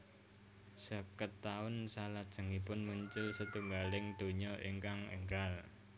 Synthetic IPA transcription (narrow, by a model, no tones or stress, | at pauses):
səkət̪ːaʊnsalad̥ʒ̥ə̤ŋipʊnmuɲt͡ʃʊlsət̪uŋɡalɪŋɖ̪̥o̤ɲɔʔḭŋkaŋə̰ŋɡal